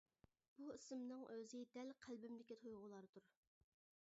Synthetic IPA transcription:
b̥uisɪmnɨŋʔøzɪd̪ɛlqʰælbɪmd̪ɪkʲit̪ʰojʁʊlˠɑɾt̪ʰuɾ

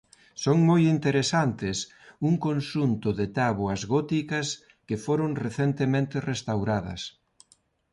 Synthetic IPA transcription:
soŋmojint̪eɾesant̪ɪs | uŋkonʃunt̪ʊðɪt̪aβoɐzɣɔt̪ikɐs | kɪfoɾoŋreθent̪emẽnt̪ɪrest̪awɾaðɐ̰s

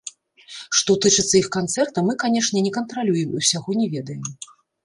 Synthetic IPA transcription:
ʂt̪ɔt̪ɨt͡ʂɨt̪sːɐixkant̪sɛrt̪ɐmɨkanʲɛʂnʲɛnʲɛkɐnt̪ɾalʲujɛmiwsʲaɣɔnʲɛvʲɛd̪ɐjɛm

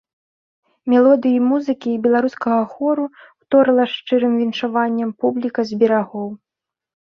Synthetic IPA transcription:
mʲɛlˠɔd̪ɨjimuzɨkʲiːbʲɛlˠaɾuskɐɣɐxɔɾuwt̪ɔɾɨlˠɐʂt͡ʂɨɾɨmvʲinʂavanʲːɐmpublʲikɐzʲbʲɛɾaɣɔw

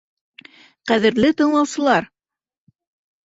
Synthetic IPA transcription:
qæðɘ̆ɾlɘt̪ɤ̆ɴlˠɑwsɤ̆lˠɑɾ

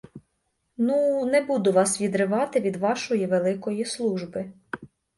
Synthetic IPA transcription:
nunɛbud̪ʊʋɑsʋʲid̪ɾɪʋɑt̪ɪʋʲid̪ʋɑʃɔjiʋelˠɪkɔjislˠuʒbɪ

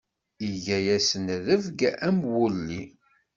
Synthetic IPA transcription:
iʝæjæsənðəvɡæmwulːi

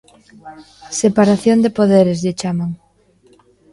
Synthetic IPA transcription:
sepaɾaθjond̪epoðeɾezʎet͡ʃamaŋ

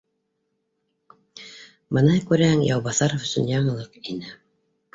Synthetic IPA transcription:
bɤnɑjkʉɾæhɘŋjɑwβɑθɑɾofɵ̆sɵ̰njɑɴɤ̆lˠɤqinɘ

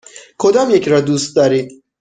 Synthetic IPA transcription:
kʰod̪ɒːmjecʰɾɒːd̪uːst̪̚d̪ɒːɾiːd̪̥̚

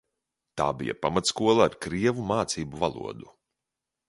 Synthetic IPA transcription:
t̪a̰ːbḭja̰pamat̪skuɔlˠaːɾkɾiɛvumaːt̪siːbuvalˠṵɔd̪u

